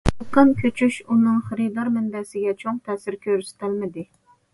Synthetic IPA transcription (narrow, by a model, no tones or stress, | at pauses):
qənkʲʰøt͡ʃʰyʃunɨŋχəɾɨd̪ɑɾmɪnd̪ɛsɪɡʲɛt͡ʃʰoŋt̪ʰɛsɪɾkʲʰøɾst̪ʰɪlmɪd̪ɪ